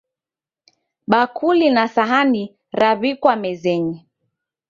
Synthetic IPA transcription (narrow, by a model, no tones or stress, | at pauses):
ɓakʰulinasaɦani | ɾaβikwamɛzɛɲi